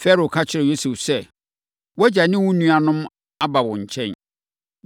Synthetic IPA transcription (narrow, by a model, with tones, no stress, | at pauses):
fɛ˦ɾo˨kʰa˦t͡ɕʰɪ˨˦ɾɪ˨jo˦su˨fsɛ˦ | wɔ˦d͡ʑa˨nɪ̃˦wʊ̃˦nũ˦a˨nʊ̃˦m | a˦ba˨wɔ̃˨ɲ̩˨t͡ɕʰɛ̃˦n